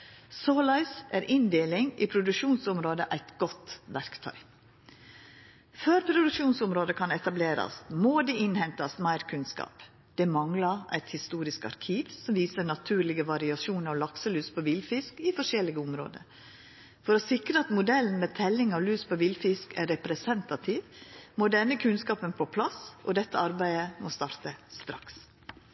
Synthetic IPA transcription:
soːlɑɪsʔæːɾʔɪnd̪eːlɪŋḭpʰɾʊd̪ʉkʃuːnsʊmɾoːd̪əʔæɪt̪ɡɔt̪ʋæɾkt̪ʰœ̰ʏ | føːɾpʰɾʊd̪ʉkʃuːnsʊmɾoːd̪əkʰɑnɛt̪ɑbleːɾɑ̰smoːd̪iːʔɪnhɛnt̪ɑsmæɪɾkʰʉnskɑ̰ːp | d̪̥ɛmɑŋlɑʔæ̰ɪt̪hɪst̪uːɾɪskɑ̰ɾkʰiːʋsɔmʋiːsənɑt̪ʰʉːɾɭɪɡəʋɑɾɪɑsuːnəɔʋlɑksəlyːspʰɔʋɪlfɪskɪfɔʂɛlːɪɡəʊmɾo̰ːd̪ə̰ | fɔɾɔsɪkɾəɑt̪mʊd̪ɛln̩mɛːt̪ʰɛlːɪŋɑʋlyːspʰɔʋɪlfɪskæ̰ɾɛpɾɛsɛnt̪ɑt̪ʰiːʋmoːd̪ɛnːəkʰʉnskɑːpənpʰoːpʰlɑsʔɔ̰d̪ɛt̪ːəɑɾbæɪəmost̪ɑːɾt̪əst̪ɾɑks

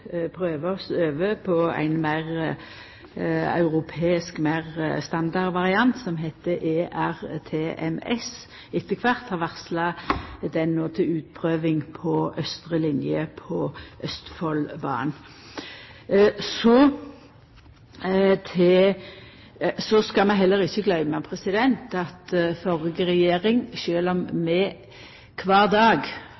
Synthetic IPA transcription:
pʰʁøːʋəɔsøːʋəpʰɔæ̰ɪnmæɪʁ | ɑ̰ʉʁʊpʰeːɪskmæɪʁst̪ɑnd̪ɑʁʋɑʁɪɑnt̪sɔmɦɛt̪ːəʔeʔæʁt̪ʰeːʔɛ̰mɛ̰s | ɪt̪ːəkʰʋɑʁt̪hɑʁʋæʁslɑd̪ɛnːoːt̪ʰɪʉːt̪̚pʰʁøːʋɪŋpʰɔœst̪ʁəlɪnjəpʰɔʔœst̪fɔlbɑ̰ːn | sɔ | t̪ʰeː | sɔskɑmɛɦɛlːəʁɪçːəɡlœʏmɑpʰʁɛsɪd̪ɛnt̪ɑt̪fɔʁɪɡəʁɛjeːʁɪŋʃøːlɔmmɛ | kʰʋɑːʁd̪ɑːɡ

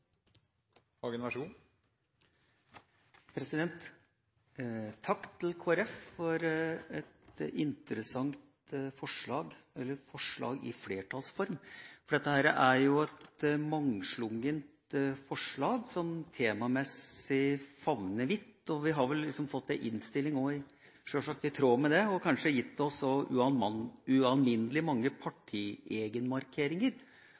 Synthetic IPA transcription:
hɑɡənʋæʂuːn | pʰɾɛsɪd̪ɛnt̪ | t̪ʰːɑkːt̪ʰlkʰoːæɾɛffɔɾɛt̪ɪnt̪əɾəsɑŋt̪ | fɔʂɭɑːɡɛlːəɾfɔʂɭɑ̰ːɡɪ̰fleːʈʰɑlsfɔɾmfɔɖɛt̪ːəhæːɾəʔæɾjʊɛt̪mɑŋʂlʊŋənt̪fɔʂɭɑːɡsɔmt̪ʰeːmɑmɛsɪfɑʋnəʋɪt̪ːɔʋɪɦɑɾʋɛllːɪksɔmfɔt̪ːd̪ɛʔɪnst̪ɪlːɪŋoːɪ | ʂøʂɑk̚t̪ɪt̪ʰɾoːmɛd̪ɛɔkʰɑnʂəjɪt̪ːɛɔsɔʔʉ̰ɑʉɑnmɪnːəlɪmɑŋːəpʰɑʈʰiːeːɡənmɑɾkʰeːɾɪŋəɾ

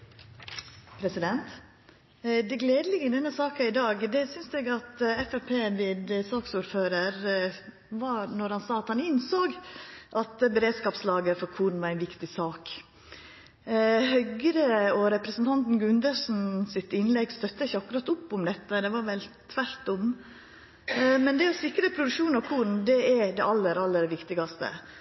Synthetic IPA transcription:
pʰɾɛsɪd̪ɛnt̪ | d̪ɛɡleːd̪əlɪɡəd̪ɛnːəsɑːkɑɪd̪ɑːɡd̪ɛsʏnsd̪ɛɡɑt̪ɛfɛpʰeːʋɪd̪sɑːksuɾføːɾəɾ | ʋɑɾnɔɾhɑnsɑːɑt̪hɑnɪnsoːɡʔɑt̪bɛɾeːd̪skɑːpslɑːɡəɾfɔɾkʰuːɖ̪n̩ʋɑɾæɪnʋɪkt̪ɪsɑːk | hœɡɾəɔɾɛpɾəsənt̪ʰɑnt̪n̩ɡʉnd̪əʂn̩sɪt̪ɪnlɛɡst̪œt̪ːəɪçːəɑkːʉɾɑt̪ʊpːʊmd̪ɛt̪ːəd̪ɛʋɑɾʋɛlt̪ʰʋæɾt̪ʊm | mɛnd̪ɛɔsɪkɾəpʰɾʊd̪ʉkʃuːnɑʋkʰuːɾn̩d̪ɛɛd̪ɛɑlːəɾɑlːəɾʋɪkt̪ɪɡɑst̪ə̰

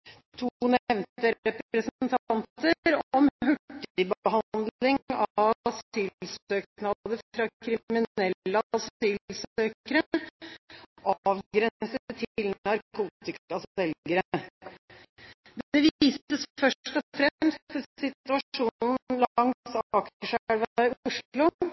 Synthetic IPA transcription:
t̪ʰunɛʋnt̪əɾɛppɾəsnnt̪ʰɑnt̪əɾɔmɦʉʈːɪbəɦɑnd̪lɪŋɑsɪlsøːknɑd̪əfɾɑkʰɾɪmɪnɛlːəsiːlsøːkəɾə | ʔɑːʋɡɾɛsəət̪ʰɪlɑɾkʰuːt̪ɪkkɑsɛlɡəɾə | d̪ɛʋiːsəsfœʂʈɔfɾɛmstt̪sɪtt̪ʉɑuːnn̩lŋsɑkəʂæɽʋɪʊʂlʊ

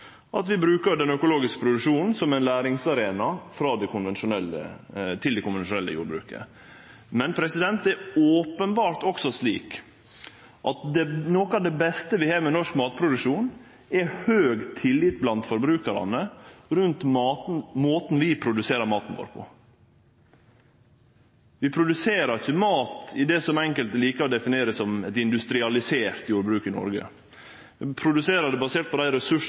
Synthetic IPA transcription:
ʔɑt̪ʋɪbɾʉːkəɾɖ̪ɛnœkʊloːɡɪskə̥pʰɾʊd̪ʉʂuːnn̩sɔmæɛɪnlæːɾɪŋsɑɾeːnɑfɾɑːd̪ɛkʰʊnʋɛnʂʊnɛlːə̰t̪ʰɪld̪ɛkʊnʋɛnʃʊnɛlːə̰jṵːɾbɾʉ̰ːkə̰ | mɛnpʰɾɛsɪd̪ɛnt̪ɛɾoːpənbɑːɾt̪ɔksɔsliːk | ʔɑt̪̚d̪ɛnoːkɑʋd̪ɛbɛst̪əʋɪhɑːmɛnɔʂkmɑːt̪̚pʰɾʊd̪ʉkʂuːn | ɛhøːɡt̪ʰɪlːɪt̪̚blɑnt̪fɔɾbɾʉːkɑɾɑ̰nəɾʉnt̪mɑːt̪nmoːt̪n̩ʋɪpʰɾʊd̪ʉseːɾəɾmɑːt̪n̩ʋo̰ːɾpʰɔ̰ | ʋɪpʰɾʊd̪ʉseːɾɑɾɪçəmɑːt̪ɪd̪ɛsɔmɛŋkəlt̪liːkəɾɔd̪ɛfɪneːɾəssɔmɛt̪ɪnd̪ʉst̪ɾɪɑlɪseːɾt̪juːɾbɾʉːkɪnɔ̰ɾɡə̰ | pʰɾʊd̪ʉseːɾəɖ̪ɛbɑseːʈ̪̚pʰɔd̪æɪɾɛsʉʂ

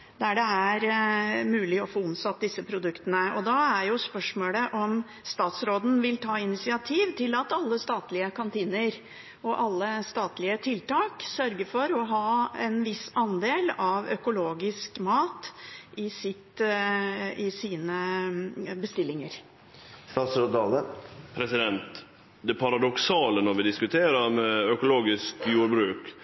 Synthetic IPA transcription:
d̪æɖɛæɾmʉːlɪɔfoːʊmsɑt̪̚d̪ɪsːəpʰɾʊd̪ʉkt̪ənəɔd̪ɑæɾjʊspœʂmoːləʔɔm | st̪ɑːt̪sɾoːd̪n̩ʋɪlt̪ʰɑːɪnɪsɪɑt̪ʰiːʋt̪ʰɪlɑt̪ɑlːəst̪ɑːt̪lɪəkʰɑnt̪ʰiːnəɾ | ɔʔɑlːəst̪ɑːt̪lɪət̪ʰɪlt̪ɑːksœɾɡəfɔɾɔɦɑːɛnʋɪsɑnd̪eːlɑʋœkʊloːɡɪskmɑːt̪ʔɪsɪt̪ | ɪsiːnə | bəst̪ɪlːɪŋəɾ | st̪ɑsɔd̪ɑːləpʰɾɛsɪd̪ɛnt̪ | d̪ɛpʰɑɾɑd̪ɔksɑːlənɔɾʋɪd̪ɪskʉt̪ʰeːɾəɾmɛœkʊloːɡɪskjuːɾbɾʉːk

